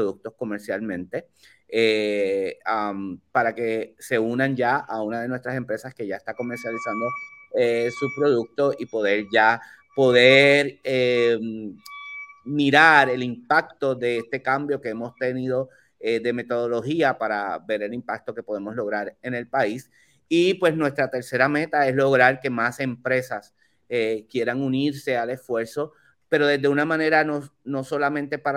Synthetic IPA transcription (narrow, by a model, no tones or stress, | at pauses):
ðuk̚t̪o̞sko̞me̞ɾsjalmẽ̞nt̪e̞ | e | ampaɾake̞se̞unand͡ʒaaunaðe̞nwest̪ɾase̞mpɾe̞saske̞ʝaest̪ako̞me̞ɾsjalisand̪o̞esuspɾo̞ðuk̚t̪o̞sipo̞ðe̞ɾʝa | po̞ðe̞ɾem | miɾaɾe̞limpak̚t̪o̞ðe̞est̪e̞kãmbjo̞ke̞emo̞st̪e̞niðo̞ | eðe̞me̞t̪o̞ðo̞lo̞hiapaɾa̰βe̞ɾe̞limpak̚t̪o̞ke̞po̞ðe̞mo̞slo̞ɣ̞ɾaɾe̞ne̞lpais | ipwe̞snwe̞st̪ɾat̪e̞ɾse̞ɾame̞t̪ae̞slo̞ɣɾaɾke̞mase̞mpɾe̞sas | ekje̞ɾaŋuniɾse̞ale̞sfwe̞ɾso̞ | pe̞ɾo̞ðezðe̞unamãne̞ɾanono̞so̞lamẽnt̪e̞paɾ